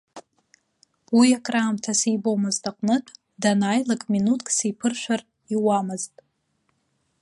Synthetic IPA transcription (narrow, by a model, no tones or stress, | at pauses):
wijakʼraːmtʰasijbowmɨztʰʼaqʷʼnɨtʼ | danaːjlakʼminutʰʼkʼsijpʰɨrʃʷᶣar | iwamɨztʼ